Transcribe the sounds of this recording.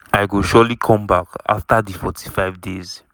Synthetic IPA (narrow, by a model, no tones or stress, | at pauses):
ajɡoʃɔlikʰɔ̃mbaka̰ftaðifɔtʰi̥faɪvdez̥